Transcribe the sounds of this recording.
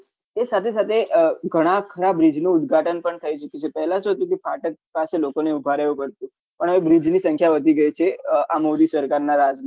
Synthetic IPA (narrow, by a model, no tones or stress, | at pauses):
esat̪ʰesat̪ʰeʔɡʱəɽ̃akʰəɾabɾid͡ʒnũːd̪̚ɡʱaʈənpəɳt̪ʰəit͡ʃukjũt͡ʃʰepəɦɛlãsot̪ĩkifaʈək̚paselokoneubʱaɾəʋũpəɽt̪ũ | pəɳɦəʋẽbɾid͡ʒnisə̃ŋkʰjaʋəd̪ʱiɡəjt͡ʃʰeamoɾisəɾkaɾnaɾad͡ʒma